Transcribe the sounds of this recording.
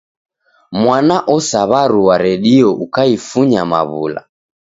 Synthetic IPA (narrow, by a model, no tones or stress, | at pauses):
mwanaʔɔsaβaɾuwaɾɛɗiɔʔukaifuɲama̰βṵla̰